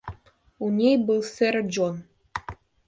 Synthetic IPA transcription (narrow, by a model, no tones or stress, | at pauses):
unʲejbɨlˠserd͡ʑon